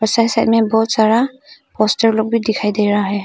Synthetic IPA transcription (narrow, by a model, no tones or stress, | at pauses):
pɔsajsajt̚mɛbɔut̪̚saɾa | pʰɔstəɹlɔk̚bidikʰajdejɾaɦɔj